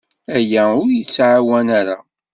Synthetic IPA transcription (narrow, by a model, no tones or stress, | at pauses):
æjæʊɾjət͡sːʕawænæɾa